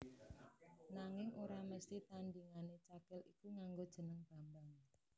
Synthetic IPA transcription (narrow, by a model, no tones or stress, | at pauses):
naŋɪŋoɾaməst̪iht̪anɖiŋanet͡ʃakɪlikuŋaŋɡod̥ʒ̥ə̤nəŋb̥a̤mbaŋ